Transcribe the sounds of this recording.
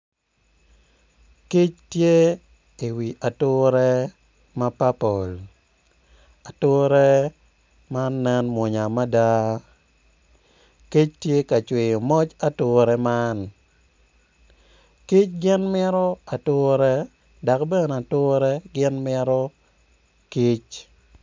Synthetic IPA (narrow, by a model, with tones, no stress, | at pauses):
ki˦t͡ʃtje˦ | i˨wi˨ʔa˨tʊ˦ɾɛ˦ | ma˦pa˦po˨l | a˨tʊ˦ɾɛ˦ | ma˦nːɛ˦nmwɔ˨ɲa˨ma˦da˦ | ki˦t͡ʃtje˦ka˨t͡ʃwɪ˨jmɔ˦t͡ʃa˦tʊ˦ɾɛ˦ma˦n | ki˦t͡ʃɡɪ˦nmɪ˦ɾɔ˦a˨tʊ˦ɾɛ˦ | da˨kbɛ˦na˨tʊ˦ɾɛ˦ɡɪ˦nmɪ˦ɾɔ˦ | ki˦t͡ʃ